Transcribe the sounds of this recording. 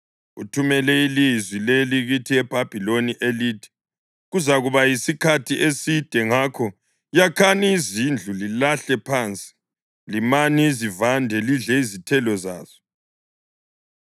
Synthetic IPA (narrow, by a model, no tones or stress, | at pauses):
ṵtʰumɛlɛilizwileliɣutʰiɛb̥ʱab̥ʱiloniʔeliːtʰi̥ | ɣuzaɣuβajisikʰatʰiʔesid̥ʱɛŋakʰɔ | jakʰaniːzind͡ɮʱulilaɬɛpʰaːnt͡sʼi̥ | limanizivandʱɛliɮɛizitʰɛlɔza̰ːzɔ̥